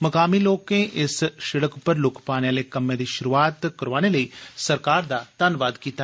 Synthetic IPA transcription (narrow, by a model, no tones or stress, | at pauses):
məkaːmiːloːkẽʔɪsʃɪɽəkpəɾlʊkʰpaːneaːlekəmːãd̪iːʃʊɾuaːt̪kəɾʋaːneləiːsəɾkaːɾd̪aːt̪anʋaːd̪kiːt̪a